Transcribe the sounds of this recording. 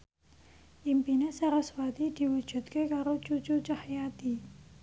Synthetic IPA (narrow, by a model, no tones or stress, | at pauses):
ʔimpinesaɾaswat̪id̪̥i̤wud̥ʒ̥ṳt̪̚kekaɾot͡ʃut͡ʃut͡ʃahjat̪i